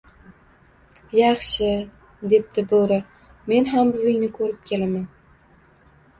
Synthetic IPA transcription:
jɑχʃɪ | d̪e̞p̚d̪ɪbɵɾɪ | me̞nɦambʊvɪŋnɪkʰɵɾɪp̚kʲʰe̞laman

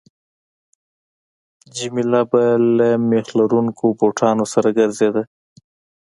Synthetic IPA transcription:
d͡ʒimilabalamexlaɾuŋkʰopoʈʰɑnosaɾaɡaɾzed̪a

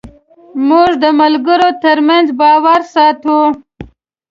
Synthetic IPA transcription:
mʊʐd̪əmalɡəɾot̪əɾmanzbɑwaɾsɑt̪u

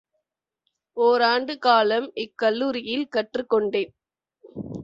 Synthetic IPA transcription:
oːɾaːɳɖɯkaːlɐmɪkːɐlːuːɾɪjɪlkɐʈrɯkːɔɳɖeːn

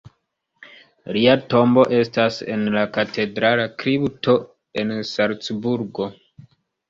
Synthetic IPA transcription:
liato̞mbo̞ʔe̞stase̞̰nlakatʰe̞dɾalakɾiptʰo̞ | e̞nsalt͡sbuɾɡo̞

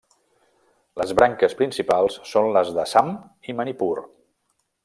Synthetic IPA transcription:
ləzβɾʔaŋkəspɾinsipalˠsːonləzðəsam | imənipur

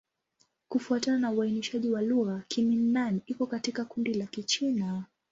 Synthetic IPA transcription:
kufuatananauainiʃaʄiwaluɣakʰiminːanikɔkatikakundilakit͡ʃina

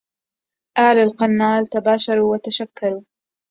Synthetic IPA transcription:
ʔaːlalqɑnːaːlt̪abaːʃɑɾˤuːwat̪aʃakːɑɾuː

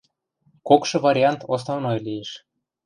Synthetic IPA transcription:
kokʃɤ̆vɑɾʲiɑnt̪os̬novnojlijeʃ

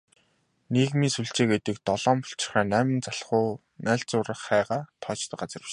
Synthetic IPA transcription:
neɣmiːnsuɮt͡ɕeːket̪ɘ̆k̚t̪ɔɮɔːmpʊ̥ɬt͡ɕɪ̥̆χæːnæːmɪ̆nt͡saɬχʊː | næːɮt͡sʊːɾə̆χːæːʁaːt̪ʰɔːt͡ɕt̪ə̆k̚ɢat͡sə̆ri̥t̪

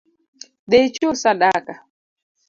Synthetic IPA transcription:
d̪et͡ʃosaɗaka

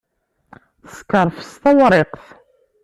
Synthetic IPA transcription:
θskəɾˤfə̥st̪ɑwɾˤɪqθ

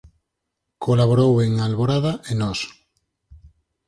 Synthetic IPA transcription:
kolaβ̞oɾoweŋalβoɾaðaʔenɔs

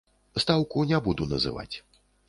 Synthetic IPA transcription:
st̪awkunʲɛbud̪unɐ̰zɨ̰va̰t͡sʲ

